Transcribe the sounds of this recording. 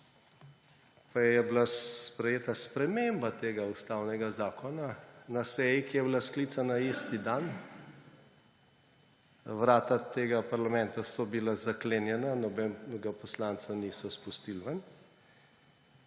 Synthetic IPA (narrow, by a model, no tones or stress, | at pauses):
pajɛjɛblapɾɛjeːt̪aspɾɛmembat̪eːɡaust̪awnɛɡazaːkʰɔnanasɛjikijɛblaskliːt̪sanaiːst̪id̪an | wɾaːt̪at̪eːɡapaɾlamɛnt̪asɔbilazaklenjɛnanɔbɛɡapɔslant̪saniːsɔspust̪ilʋən